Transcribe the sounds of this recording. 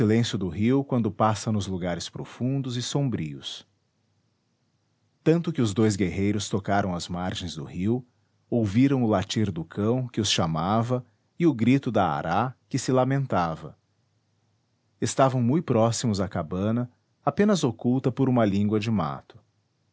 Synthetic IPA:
ilẽsjʊd̪ʊɦiwkwɐ̃nd̪ʊpasɐ̃nʊzluɡaɾɪspɾofũnd̪ʊzɪsõbɾḭʊ̰s | t̪ɐ̃nt̪ʊkɪʊzd̪ojzɡeɦejɾʊst̪okaɾɐ̃w̃ɐzmaɾʒẽj̃zd̪ʊ̰hiw | owviɾɐ̃w̃ʊlat͡ʃiɾd̪ʊkʰɐ̃w̃kɪʊsʃamavɐ | ɪʊɡɾit̪ʊd̪ɐa̰ɾʔakɪsɪlamẽnt̪avɐ̰ | ɪst̪avɐ̃w̃mũjpɾɔsimʊzɐkabɐ̃nɐ | apẽnɐzokuwt̪ɐpʊɾũmɐlĩɡwɐd͡ʒɪma̰t̪ʊ̥

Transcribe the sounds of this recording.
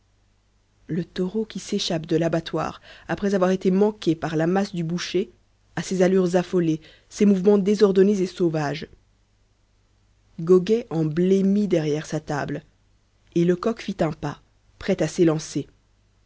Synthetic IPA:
lət̪ɔʁokʲiseʃapd̪əlabat̪wa̰ːʁapχɛzavwaʁet̪emɑ̃kʲepaʁlamasd̪ybuʃe | asezalyʁzafɔle | semuvmɑ̃d̪ezɔʁd̪ɔnezesovaʒ | ɡɔɡɛʔɑ̃blemid̪ɛʁjɛʁsat̪a̰bl | eləkɔkfit̪ɛ̃pa | pχɛt̪aselɑ̃se

